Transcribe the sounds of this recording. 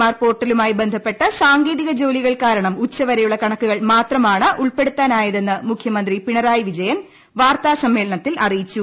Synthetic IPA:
aːrpo̞ːrʈːɐlumaːjibe̞nd̪ʱɐpːe̞ʈːɐsaːŋɡeːðiɣɐd͡ʑo̞ːliɣɐɭkaːɾɐɳɐmut͡ɕːɐʋɐɾɐjuɭːɐkɐɳɐkːuɣɐɭmaːt̪rɐmaːɳɨʔuɭpe̞ɽut̪ːaːnaːjɐðe̞nːɨmukʰjɐmɐnd̪ripiɳɐɾaːjiʋid͡ʑɐjɐn | ʋaːrt̪aːsɐmːe̞ːlɐɳɐt̪ːilʔɐrijit͡ɕːu

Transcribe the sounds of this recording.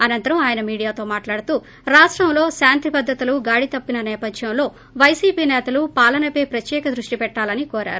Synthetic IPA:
ɐnɐnt̪ɐɾɐmaːjɐnɐmiːɽijaːt̪o̞ːmaːʈlaːɽut̪uː | ɾaːʂʈɾɐmlo̞ːsaːnt̪ipɐd̪ʱːɐt̪uluɡaːɽit̪ɐpːinɐnɛːpɐd̪ʱjɐmlo̞ː | ʋɐjsiːpiːnɛːt̪ɐlupaːlɐnɐpe̞ːpɾɐt̪jɛːkɐd̪ɾuʂʈipɛʈːaːlɐnikɔːɾa̰ːɾu

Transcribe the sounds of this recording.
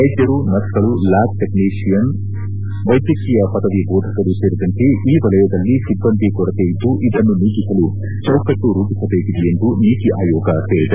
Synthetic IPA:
ɐjd̪jɐɾunɐtkɐlulaːk̚ʈekniːʂijɐn | ʋɐjd̪jɐkiːjɐpɐd̪ɐʋibɔːd̪ʱɐkɐɾuseːɾid̪ɐnt̪eʔiːʋɐlɐjɐd̪ɐlːisibːɐnd̪ʱikɔɾɐt̪ejid̪ːuʔid̪ɐnːuniːɡisɐlu | t͡ʃɐwkɐʈːuɾuːpisɐbe̞ːkid̪ejend̪uniːt̪iʔaːjɔːɡɐt̪eːɭid̪ɐ

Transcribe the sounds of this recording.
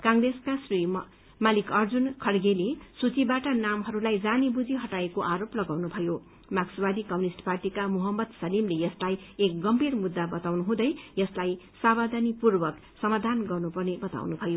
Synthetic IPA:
kaŋreskasri | malikʌrd͡zunkʰʌɽɡelesut͡sibaʈʌnamɦʌɾulajd͡zanibud͡ziɦʌʈaekoʔaɾoplʌɡawnubʱʌjo | maksbad̪ikʌmunisʈparʈikamuɦʌmːʌd̪sʌlimlejʌslajek̚ɡʌmbʱirmud̪ːabʌt̪awnuɦũd̪ʌjjʌslajsabad̪ʱʌnipurbʌk | sʌmad̪ʱanɡʌrnupʌrnebʌt̪a̰wnubʱʌjo

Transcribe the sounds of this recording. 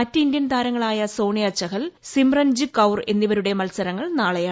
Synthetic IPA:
mɐtːindjɐnt̪ʰaːɾɐŋːɐɭaːjɐso̞ːɳijɐt͡ɕːɐɣɐlsimrɐnd͡ʑɨkɐwre̞nːiʋɐɾuɽe̞mɐlsɐɾɐŋːɐɭnaːɭɐjaː

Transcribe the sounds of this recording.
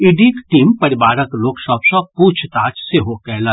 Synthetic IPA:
iɖikʈiːmpɐɾɪbaːɾəkloːksɔːpsɔ̃puːt͡ʃʰt̪aːt͡ʃseɦokɛːɦla

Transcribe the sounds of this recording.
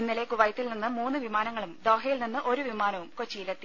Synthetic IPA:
inːilekuʋɐjɐt̪ːilninːɨmuːnːɨʋimaːnɐŋːɐɭumd̪oːɦɐjilninːɨʔo̞ɾuʋimaːnɐʋumkot͡ɕːijilet̪ːi

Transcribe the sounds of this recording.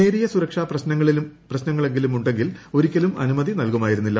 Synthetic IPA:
e̞ːɾijɐsuɾɐkʂaːprɐɕnɐŋːɐɭiprɐɕnɐŋːɐɭe̞ŋɡilumuɳɖe̞ŋɡilo̞ɾikʲːɐlumɐ̰numɐðinɐlkumaːjiɾunːilːɐ

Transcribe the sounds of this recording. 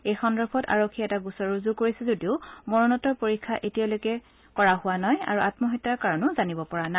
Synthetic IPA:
ejxɔndɔɹpʰɔta̰ɹokʰːiɛtaɡusɔɹuzukoɹisɛzodiʊmɔɹɔnɔtɔɹpoɹikʰːaʔetialojkɛ | kɔɹaɦʊwanaja̰ɹuʔatmɔɦɔtːaɹkaɹɔnʊzanibɔpɔɹana

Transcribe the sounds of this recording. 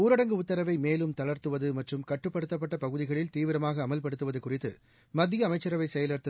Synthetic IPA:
uːɾɐɽɐŋɡɯʊt̪ːɐɾɐʋɐɪmeːlɯmt̪ɐɭɐɾt̪ɯʋɐðɯmɐʈrɯmkɐʈːɯpːɐɽɯt̪ːɐp̬ːɐʈːɐpɐɣɯðɪɣɐɭɪlt̪iːʋɪɾɐmaːɣɐːmɐlpɐɽɯt̪ːɯʋɐðɯkʊrɪt̪ːɯ̰ | mɐd̪ːɪjɐːmɐɪt͡ʃːɐɾɐʋɐɪsɛjɐlɐɾt̪ːɯ

